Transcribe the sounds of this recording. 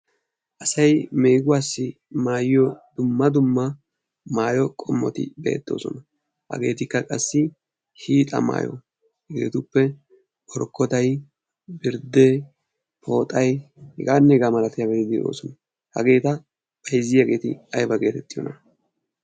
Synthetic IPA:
ʔɐsɐjme̞ːɡʊwaːsːɪ | maːjɪjɔd̪ʊmːɐd̪ʊmːɐ | maːjɔkʼɔmːɔt̪ɪ̰bḛːt̪ːoːsɔnɐ | hɐ̰ɡe̞ːt̪ɪkːɐkʼɐsːɪ | hiːt̪ʼɐ̰ma̰ːjɔ̰ | hɐɡeːt̪ʊpːɛ | ʔɔɾkːɔt̪ɐj | bɪɾd̪e | pʰo̞ːt̪ʼɐjhɛɡaːnːɛɡaːmɐlɐt̪ɪjɐɡɛt̪ɪd̪ɪo̰ːsɔnɐ | hɐɡe̞ːt̪ɐ | pɐjzɪjɐɡe̞ːt̪ɪ̰ɐjbɐɡe̞ːt̪ɛt̪ʼːɪjɔ̰nɐ

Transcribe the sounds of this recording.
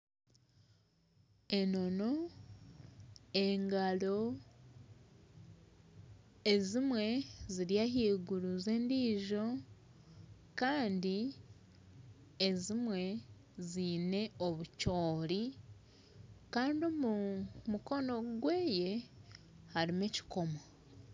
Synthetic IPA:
e̞no̞no̞ | eŋɡalo̞ | e̞zimwe̞ziɾjaɦiːɡuɾuzeːndiːʒo̞ | kaːndi | ezimwe̞ | ziːne̞oβucoːɾi | kaːndiomumuko̞no̞ɡwe̞ːje̞ | haɾimeci̥ko̞mo

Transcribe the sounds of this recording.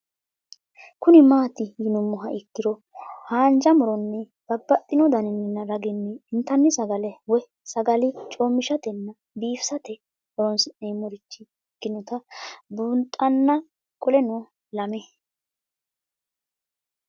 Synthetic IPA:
kʊnɪmaːt̪ɪjɪnʊmːɔɦɐʔɛkːɪɾɔhaːnd͡ʒɐmʊɾɔnːɛ | ɡ̥ɐbːɐt̪ʼːɪnɔd̪ɐnɪnːɪnːɐɾɐɡɪnːɛːnt̪ːɐnːɪsɐɡɐlɛwɔj | sɐɡɐlɪt͡ʃʼoːmːɪʃɐt̪ɛnːɐ | biːfsɐt̪ɛ | ɔɾɔnsneːmːɔɾɪt͡ʃːɪ | kːɪnɔt̪ɐbuːnt̪ʼːɐnːɐ | kʼɔlɛnɔ | lɐmɛ

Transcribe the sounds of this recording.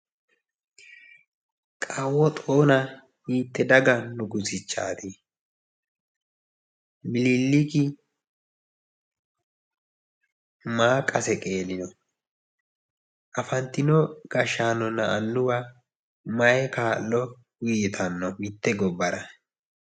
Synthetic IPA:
kʼɐwːɔt̪ʼo̞ːnɐ | iːt̪ːɛd̪ɐɡɐnʊɡʊsɪt͡ʃːa̰ːt̪i | mɪlɪlːɪkɪ | maːkʼːɐsɛkʼe̞ːlɪnɔ | ʔɐfɐnt̪ːɪnɔɡ̥ɐʃaːnɔnːɐːlːʊwa | mɐjɛkaːlːɔ | ɡʊjɪt̪ʰɐnːɔmɪt̪ːɛɡɔbːɐɾɐ

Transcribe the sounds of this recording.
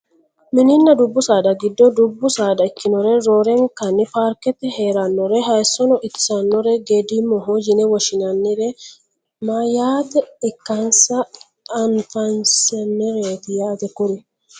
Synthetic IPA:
mɪnɪnːɐd̪ʊbːʊsaːd̪ɐɡɪd̪ːɔd̪ʊbːʊsaːd̪ɐɪkːɪnɔɾɛɾoɾɛŋkɐnːipaɾkɛt̪ɛheɾɐnːɔɾɛɦɐsɔnɔʔɪt̪ːɪ̥sɐnːɔɾɛɡed̪imɔɦod͡ʒɪnɛwɔʃɪnɐnːɪɾɛ | majaːt̪ɛɪkːɐnsɐː | nfansɛnːɛɾet̪ɪjaːt̪ɛkʊɾɪ

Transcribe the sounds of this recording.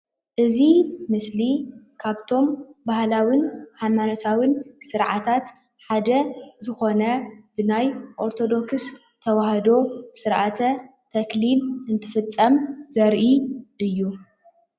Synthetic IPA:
ʔɨzimɨslikʰaβt̪ʰo̞mbahlawinħajmanot̪ʰawinsɨɾʕat̪ʰat̪ | ħad̪ɐzɨxo̞nɐbɨnajʔo̞ɾt̪ʰo̞d̪o̞ks | t̪ʰɐwahɐd̪o̞sɨɾʔat̪ʰɐ | t̪ʰɐklinɨnt̪ʰɨfɨt͡sʼːɐmzɐɾʔiʔɨjːu

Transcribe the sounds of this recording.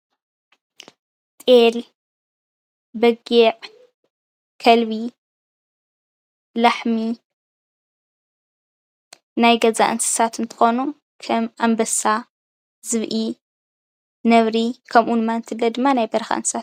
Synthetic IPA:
t̪ʼel | bɐɡeʕ | kʰɐlβi | laħmi | najɡɐza̰ʔɨnsɨ̥sʰat̪ɨnt̪ʰɨ̥xo̞nu | kʰɐmʔambɐsa | zɨβʔi | nɐβɾikʰɐmʔunmant̪ʰilːɐd̪ɨmːanajbɐɾɐxa̰ʔɨnsɨ̥sʰat̪

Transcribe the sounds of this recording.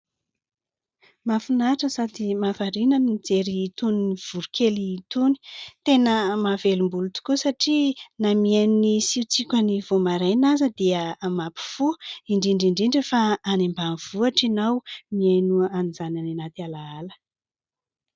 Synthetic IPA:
mafunaʈ͡ʂəsad̪imafaɾinəmnid͡zeɾiːt̪uniniv̥uɾukʰʲeliːt̪uni̥t̪enəmavelumbulut̪u̥kusaʈ͡ʂinamiannisiut͡sikʲənivomaɾajnazəd̪iəamapi̥fuiɳɖ͡ʐiɳɖ͡ʐiɳɖ͡ʐiɳɖ͡ʐəfaːnembanv̥uaʈ͡ʂinawmiajnuaanizanananat̪ialaalə

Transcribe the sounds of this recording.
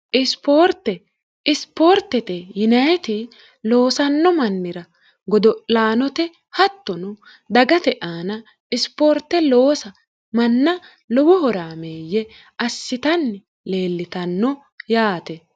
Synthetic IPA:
ʔɪspoːɾt̪ːɛ | ɪspoːɾt̪ːɛt̪ejʊnɐjt̪ɪ | lo̞ːsɐnːɔmɐnːɪɾɐ | ɡɔd̪ɔlaːnɔt̪ɛ | hɐt̪ːɔnʊ | d̪ɐɡɐt̪ɛʔaːnɐ | ɪspoːɾt̪ːɛlo̞ːsɐ | mɐnːɐ | lɔwɔhɔɾaːmeːjːɛ | ɐsːɪt̪ɐnːɪ | le̞ːlːɪt̪ɐnːɔ | jaːt̪ɛ

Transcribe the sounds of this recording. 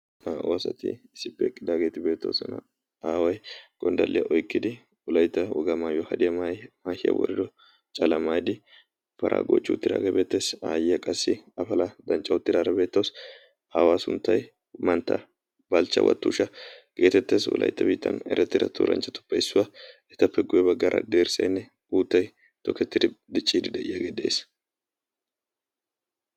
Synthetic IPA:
awɐsɐt̪ɪ̰ɪsːɪpːɛkʼːɪd̪aːɡeːt̪ɪbe̞ːt̪ːɐwsɐnɐ̰ | aːwɐjɡ̥ɔnd̪ɐlːɪjɐʔɔjkːɪd̪ɪ | wʊlɐjt̪ːɐwɔɡɐmaːjɔhɐd̪ɪjɐmajmaːhɪjɐ̰wɔ̰ɾɪd̪ɔ | t͡ʃʼɐlɐmaːjd̪ɪ | pɐɾʔa̰ːɡo̰ːt͡ʃʼːɪʊt̪ːɪd̪a̰ːɡɐbe̞ːt̪ːesaːjɪjɐkʼɐsːɪɐfɐlɐd̪ɐnt͡ʃʼːɐʊt̪ːɪd̪aːɾɐbe̞ːt̪ːɐws | awaːsʊnt̪ːɐj | mɐnt̪ːɐ̰ | bɐlt͡ʃːɐ̰wʔɐ̰t̪ːṵːʃɐɡ̥eːt̪ɛt̪ːeːswɔ̰lʔɐ̰jt̪ːɐbiːt̪ːɐnɛ̰ɾɛt̪ːɪɾɐ̰t̪ʰṵːɾʔɐ̰nt͡ʃʼːɐt̪ʊ̥pːɐɪsːʊwaɛt̪ːɐpːɛɡʊjɛbɐɡːɐɾʔɐ̰d̪eːɾsɐjnːɛ | uːt̪ːɐj | t̪ɔkːɛt̪ːɪd̪ɪd̪ɪt͡ʃʼːiːd̪ɪd̪ɐʔɪjɐɡed̪ḛːs

